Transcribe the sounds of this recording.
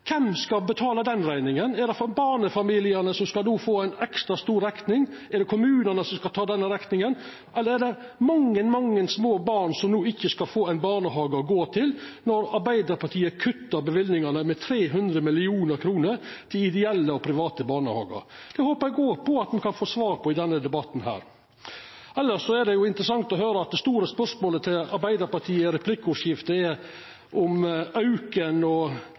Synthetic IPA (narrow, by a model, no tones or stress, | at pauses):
kʰɛmskɑbət̪ʰɑːləd̪ɛnɾæɪnɪŋənɛɖ̪ɛfbɑːɳəfɑmiːlɪənəsɔmskɑlnuːfoːæɪnɛkst̪ɾɑst̪uːɾɛk̪nɪŋɛɖ̪ɛkʰʊmʉːnənəsɔmskɑt̪ʰɑːd̪ɛnːəɾɛknɪŋən | ʔɛlːəɾɛɖ̪ɛ | mɑŋːənmɑŋːənsmoːbɑːɾɳsɔmnuːɪçːəskɑlfoːæɪnbɑːɳəɦɑːɡəɡoːt̪ʰɪlnɔɾɑɾbæɪd̪əɾpʰɑʈ̪ʰiːəkʰʉt̪ːəɾbəʋɪlnɪŋɑnəmɛt̪ʰɾeːɦʉnd̪ɾəmɪlɪuːnəɾkʰɾuːnəɾt̪ʰɪlɪd̪ɛɛlːəɔpʰɾɪʋɑːt̪əbɑːɳəhɑ̰ːɡə̰ɾd̪̥ɛhoːpəɾæɪɡoːɾpʰɔɑt̪mɛkʰɑnfoːsʋɑːɾpʰɔɪd̪ɛnːəd̪ɛbɑt̪nɦæ̰ːɾ | ɛlːəʂːɔɛɖ̪ɛjʊɪnt̪ɾəsɑŋt̪ɔɦøːɾəɑt̪̚d̪ɛst̪uːɾəspœʂmoːlət̪ʰɪlɑɾbæɪd̪əɾpɑʈ̪ʰiːəɾɛpʰlɪkːʊʂjɪft̪əɛ | ʔɔmɑʉkənɔ